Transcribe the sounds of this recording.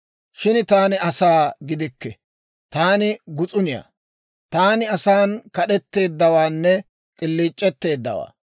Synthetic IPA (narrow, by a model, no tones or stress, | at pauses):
ʃɪnt̪aːnɪɐsaːɡɪd̪ɪkːɛ | t̪aːnɪɡʊt͡sʼʊnɪja̰ː | t̪aːnɪɐsaːnkɐɗɛt̪ːe̞ːd̪ːɐwaːnːɛ | kʼɪlːiːt͡ʃʼːɛt̪ːe̞ːd̪ːɐ̰wa̰ː